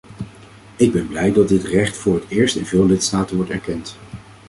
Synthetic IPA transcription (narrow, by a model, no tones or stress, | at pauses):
ɪɡ̚bɛnblɛjdɑd̚dɪtrɛχtfʊːɹɦətɪːɹstɪnvɪːlˠlɪtstaːtənʋɔɹtɛɹkɛnt